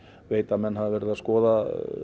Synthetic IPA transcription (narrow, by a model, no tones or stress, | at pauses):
veːjt̪amɛnːhaðɪvɛːɾɪðaskɔːða